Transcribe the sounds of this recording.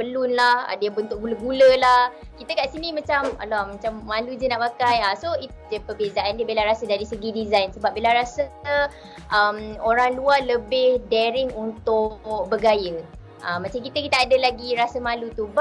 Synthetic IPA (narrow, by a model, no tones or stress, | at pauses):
bəlʊnlahə̰diəbənt̪ʊʔ̚ɡuləɡuləlah | kit̪əkaʔsinĩmãt͡ʃama̰lamãt͡ʃamːalud͡ʒənaʔpakajasoi | d͡ʒəpəbezaʔandiəbilaɾasədaɾisəɡidizajnsəbap̚bilaɾasə | ʔəmoɾaŋlualəbɪhdɛɾɪŋunt̪ʊk̚bəɡajə | ʔamːãt͡ʃamkit̪əkit̪aadəlaɡiɾasəmãlut̪ub